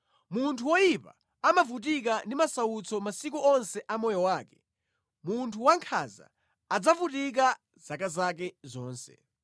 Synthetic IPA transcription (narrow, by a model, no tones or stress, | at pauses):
muntʰuwɔjipa | amavut̬ik̬andimasaut͡sʰɔmasik̬uɔnsɛʔamɔjɔwaːkɛ̥ | muntʰuwaŋkʰa̰za̰ː | d͡zavutik̬a | z̥akazak̬ɛzɔːnsɛ̰